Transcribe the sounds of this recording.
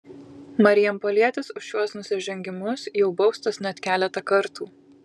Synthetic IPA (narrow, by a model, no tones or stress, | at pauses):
mɐɾʲɪjɛmpolʲiɛt̪ʲɪsʊʃjuɔsnʊsʲɪʒʲɛŋʲɡʲɪmʊsjɛʊbɒʊst̪ɐsnʲɛt̪ʲkʲæːlʲɛt̪ɐkɐɾt̪uː